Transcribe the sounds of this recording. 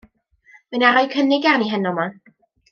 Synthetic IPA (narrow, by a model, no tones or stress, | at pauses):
mənaɾɔjkʰənɪɡaniɦənɔma